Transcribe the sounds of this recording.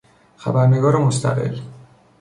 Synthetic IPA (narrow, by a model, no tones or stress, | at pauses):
xæ̰bæɾne̞ɡɒːɾemost̪ʰæ̰ɣḛl